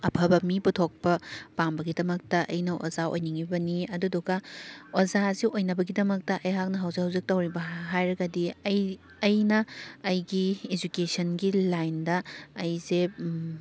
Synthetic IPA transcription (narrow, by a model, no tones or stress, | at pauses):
ɐpʰɐbɐmiputʰok̚pɐpambɐɡidɐmɐk̚tɐʔɐjnɐʔo̰zao̰jniŋibɐniɐduduɡɐozaziʔojnɐbɐɡidɐmɐk̚tɐʔɐjɦak̚nɐɦɐwzikhɐwzik̚tɐwɾibɐɦajɾɐɡɐdi | ɐjnɐːjɡied͡ʒukesɐnɡilajndɐːjze